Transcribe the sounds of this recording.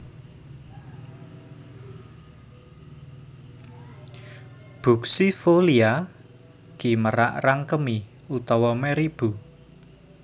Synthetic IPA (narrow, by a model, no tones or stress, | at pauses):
b̥ṳksifolia | ɡ̥iməɾa̰ʔraŋkəmi | ut̪ɔwɔmɛɾib̥u